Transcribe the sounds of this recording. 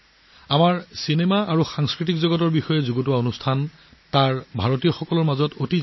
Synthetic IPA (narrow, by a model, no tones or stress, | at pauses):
amaɹsinemaaɹuxaŋskɹit̬ikzɔɡɔtɔɹbixɔjɛzuɡotʊwaonustʰan | taɹbʱaɹotijɔxɔkɔlɔɹmazɔtoti